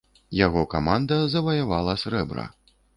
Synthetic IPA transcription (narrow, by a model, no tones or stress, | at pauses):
jaɣɔkamand̪ɐzɐvɐjavalˠɐsɾɛbɾɐ̰